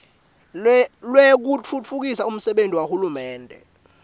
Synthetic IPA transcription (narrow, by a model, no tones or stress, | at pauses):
lwek̬ut͡fʰut͡fʰuk̬isaum̩sɛɓentʼiwahulumɛːndʱɛ̰